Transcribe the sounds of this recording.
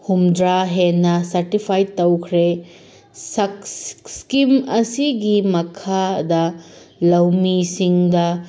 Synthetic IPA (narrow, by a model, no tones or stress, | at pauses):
humdɾaɦenːɐsɐɾtipʰajtɐwkʰɾe | sɐskimɐsiɡimɐkʰadɐlɐwmisiŋdɐ